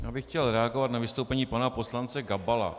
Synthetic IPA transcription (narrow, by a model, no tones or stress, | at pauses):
jaːbɪxcɛlɾɛaɡovat̪navɪst̪owpɛɲiːpanapo̞slant͡sɛɡabala̰